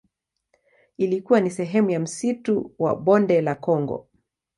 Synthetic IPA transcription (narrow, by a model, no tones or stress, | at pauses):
ilikuwanisɛɦɛmujam̩situwa̰ɓɔndɛlakɔŋɡɔ̰